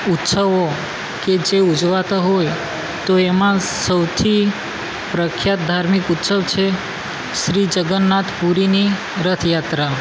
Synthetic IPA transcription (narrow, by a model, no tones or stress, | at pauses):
ut̪səʋo | ked͡ʒeud͡ʒʋat̪aɦoj | t̪oemãsəwt̪ʰi | pɾəkʰjat̪̚d̪ʱaɾmikut̪səʋt͡ʃʰe | ʃɾid͡ʒəɡənːat̪ʰpuɾini | ɾət̪ʰjat̪ɾa